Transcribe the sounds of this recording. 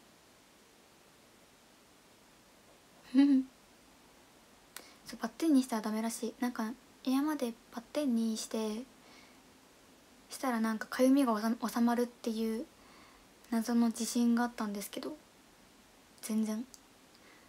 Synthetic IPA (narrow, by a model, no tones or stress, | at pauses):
hɯ̟̃ɴ | soːbat̪ːẽ̞ɲ̟ːiɕi̥t̪aɾad̪ame̞ɾaɕiːnãŋka | ejamad̪e̞b̥at̪ːẽ̞ɲ̟ːiɕi̥t̪e̞ | ɕi̥t̪aɾanãŋkḁkʰajɯmʲiɡaoosamaɾɯ̟t̪ːe̞jɯ̟ː | nazo̞no̞d͡ʑiɕĩŋɡaːt̪ːãnd̪esɨ̥ke̞d̪o̞ | z̥ẽ̞nd͡zẽ̞ɴ